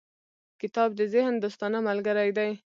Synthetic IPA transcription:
kɪt̪ɑb̚d̪əzɪhnd̪ost̪ɑnamalɡaɾajd̪aj

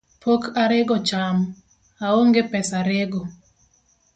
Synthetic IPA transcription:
pokʰaɾeɡɔt͡ʃam | aoŋɡepɛsaɾeɡɔ

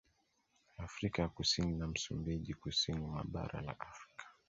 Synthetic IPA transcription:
afɾikajakusininam̩sumbiʄikusinima̰ɓa̰ɾa̰la̰ʔafɾikʰḁ

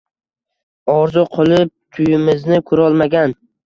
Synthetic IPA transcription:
ɒɾzʊqʰolˠɪp̚t̪ʰʊjɪmɪznɪkʰʊɾɒlˠmaɡʲan

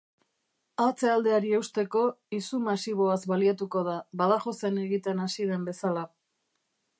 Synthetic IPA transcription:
at͡seald̪e̞aɾie̞wst̪e̞ko̞isumasiβ̞o̞azβaliat̪uko̞ð̞aβaðaxo̞se̞neɣit̪e̞nasið̞e̞mbe̞sala

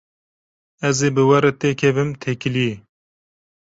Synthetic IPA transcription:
ɛzeːbɨwɛɾɨt̪eːkʰɛvɨmt̪ʰekɨli

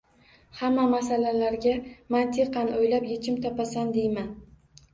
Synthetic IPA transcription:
hamːamasalalaɾɡʲamant̪ʰɪqʰɑnojlapjet͡ʃʰɪmt̪ʰɒpasand̪ejman

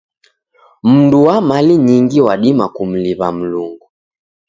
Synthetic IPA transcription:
m̩nduwamaliɲiŋɡiwaɗimakum̩liβam̩luŋɡu

